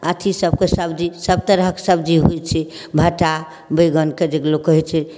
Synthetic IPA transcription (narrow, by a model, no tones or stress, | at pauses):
at̪ʰisəb̚kesəbd͡ʒisəb̚t̪əɾɦəksəb̚d͡ʒiɦut͡ʃʰɛ | bʱəʈa | bəɡənked͡ʒeɡlokəɦit͡ʃʰɛ